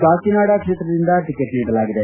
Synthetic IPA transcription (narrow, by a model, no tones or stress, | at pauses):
baːkiːnaːɽaːkʰɪt̪ɾd̪ɪnd̪aːʈɪkəʈmĩʈlaɡd̪aː